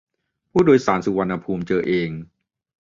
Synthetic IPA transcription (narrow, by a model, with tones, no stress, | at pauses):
pʰuː˥˩doː˧jsaː˩˦nsu˧wa˧nːʔːa˧pʰuː˧mt͡ɕɤː˧ʔeː˧ŋ